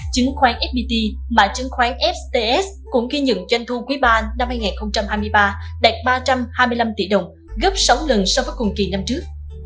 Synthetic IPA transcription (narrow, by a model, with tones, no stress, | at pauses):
t͡ɕɨ˨˦ŋxwaː˨˦nʔɛ˦˥t̚ɓi˧t̪i˧maː˨˩t͡ɕɨ˨˦ŋxwaː˨˦nʔɛ˦˥p̚t̪e˧ʔɛ˦˥s | kʊ̰˧˥ŋ͡mɣi˧ɲə̰˧˨nt͡ɕwa˧jŋt̪ʰu˧kwi˨˦ɓaː˧na˧mhaː˧jŋaː˨˩nxə˧wŋ͡mt͡ɕa˧mhaː˧jmɨ˧əjɓaː˧ɗɛ˨˩t̚ɓaː˧t͡ɕa˧mhaː˧jmɨ˧əjla˧mt̪ḭ˧˩ɗə˨˩wŋ͡m | ɣə˦˥p̚sa˨˦wlə˨˩nsɔ˧vəː˨˦jkʊ˨˩ŋki˨˩na˧mt͡ɕɨ˦˥ək̚